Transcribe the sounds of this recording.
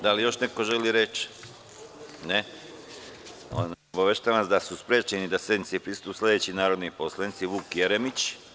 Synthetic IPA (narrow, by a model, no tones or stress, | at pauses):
d̪alijo̞ʃne̞ko̞ʒe̞liɾet͡ʃ | ne | o̰naobaʋeʃt̪aːʋansd̪asuspɾeːt͡ɕenid̪asje̞d̪nit̪sipɾist̪upsle̞d̪e̞t͡ɕinaːɾo̞d̪nipo̞slˠanit̪siʋuːkje̞ɾemit͡ɕ